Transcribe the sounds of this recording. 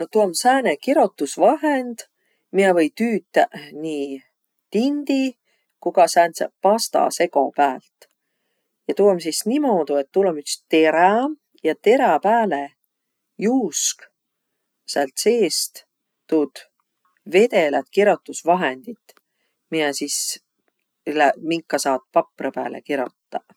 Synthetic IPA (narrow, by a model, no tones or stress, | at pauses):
not̪uɑmsæːnekiɾot̪ːˑusvɑɦend̪̥ | miɛvɤjt̪yːt̪ːæniː | t̪ind̪̥i | kuɡɑsæːnsepɑst̪ɑ̰se̞ko̞pæːlt̪ | jɑt̪ulomsisnimoːd̪̥ue̞t̪ːulomyk̪st̪e̞ɾɑ | jɑt̪e̞ɾɑpæːle | juːsk | sælt̪se̞ːst̪ | t̪ud̪̥ | ve̞d̪e̞lɑt̪kiɾot̪ːˑusvɑɦend̪̥it̪ː | miɛsis | læmiŋkːˑɑsɑːt̪̚pɑprɑpæ̰ːlḛkiɾot̪ːɑ